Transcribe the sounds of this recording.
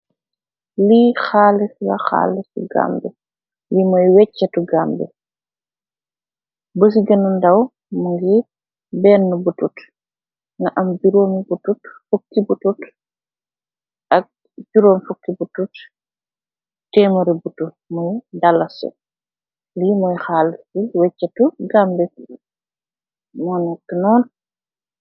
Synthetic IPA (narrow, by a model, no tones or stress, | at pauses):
lixaːlɛslɐxa̰ːlːɛsṵɡa̰ːmbɛ | limɐjwɛcːɐtuɡaːmbɛ̰ | bəs̬iɡɐnɐndɐw | muŋɡi | bɛːnːubutut | nɐʔɐmbiɾoːmibututfokːibutut | ʔɐk̚ | ɟuɾoːmfukːibutut | tɛːmɐɾibutːu | mujdɐlːɐsɔ̰ | limɔjxaːliwɛcːɐtuɡambɛ | mɔːnɛktːənɔːn